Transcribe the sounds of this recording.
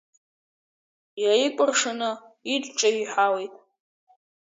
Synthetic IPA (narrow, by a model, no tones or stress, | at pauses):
jaikʷʼʊrʂanɨ | itʼʈ͡ʂʼaiħawejtʼ